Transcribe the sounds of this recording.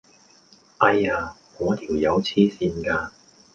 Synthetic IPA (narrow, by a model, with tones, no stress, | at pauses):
ʔɐ˧jaː˧kɔː˨˧˥t̪ʰiː˨˩wjɐ˨˧wt͡sʰiː˥siː˧nkaː˧